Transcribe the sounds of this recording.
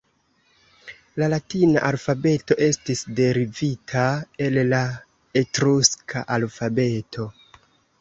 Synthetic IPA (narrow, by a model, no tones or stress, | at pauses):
lalatina̰ʔalfabe̞to̞ʔe̞stisde̞ɾivitʰae̞lla | etɾuskʰa̰ʔalfabe̞tʰo̞